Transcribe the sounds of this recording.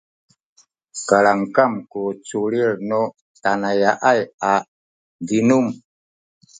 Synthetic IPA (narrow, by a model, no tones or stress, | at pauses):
kalaŋkamkot͡suɾilnɔ | tanajaʔaja | dinum